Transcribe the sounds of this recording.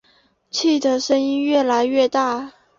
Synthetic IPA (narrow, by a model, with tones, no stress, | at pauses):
t͡ɕʰi˥˩d̪ə˩ʂə˥ni˥nɥɛ˥˩la˧˥ɪɥɛ˥˧t̪a˥˩